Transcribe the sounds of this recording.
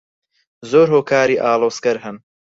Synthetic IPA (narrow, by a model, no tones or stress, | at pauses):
zoːɾɦoːkʰaːɾiːʔaːloːskɐɾɦɨn